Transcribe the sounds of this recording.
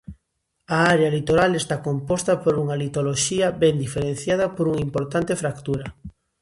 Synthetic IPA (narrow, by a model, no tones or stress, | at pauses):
aaɾeɐlit̪oɾalest̪akompɔst̪ɐpoɾuŋɐlit̪oloʃiɐbɛnd̪ifeɾẽn̟θjað̞ɐpoɾuŋimpoɾt̪ant̪efɾakt̪uɾɐ